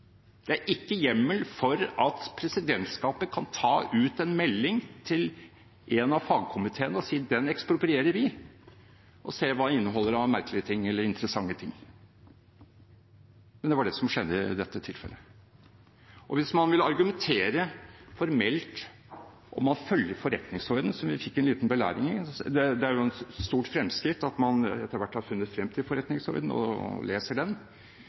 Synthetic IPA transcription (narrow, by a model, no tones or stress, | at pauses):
d̪̥ɛæɾʔɪkːəjɛmːəlfɔɾɑt̪pʰɾɛsɪd̪ɛnt̪skɑːpəkʰɑnt̪ʰɑːʉːt̪ɛnmɛlːɪŋt̪ʰɪl | ʔɛnɑʋfɑːɡ̚kʰʊmɪt̪ʰeːənəɔsiːd̪ɛnɛkspɾʊpɾɪeːɾəɾʋɪ | ʔɔseːʋɑːɪnːəɦɔlːəɾɑʋmæɾkəlɪət̪ʰɪŋːɛlːəɾɪnt̪əɾəsɑŋːət̪ʰɪŋː | mɛnd̪ɛʋɑɖɛsɔmʂɛd̪ːəɪɪ̰d̪ɛt̪ːət̪ʰɪlfɛ̰lʔə | ʔɔʋɪsmɑnʋɪlːɑɾɡʉmɛnt̪ʰeːɾəfɔɾmɛlt̪ | ʔɔmːɑnfœljəɾfɔɾɛt̪nɪŋsɔɾd̪ən̩sɔmʋɪfɪkːɛnliːt̪nbəlæ̰ːɾɪŋɪd̪ɛd̪ɛæɾjʊɛnst̪uːʈfɾɛmːskɾɪt̪ːɑt̪mɑnɛt̪ːəɾʋæʈhɑɾfʉnːət̪fɾɛmːt̪ʰɪlfɔɾɛt̪nɪŋsɔ̰ɾd̪n̩ɔ̰leːsəɖɛn